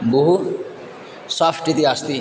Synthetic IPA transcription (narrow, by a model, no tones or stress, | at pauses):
buɦu | sapʰʈit̪iast̪i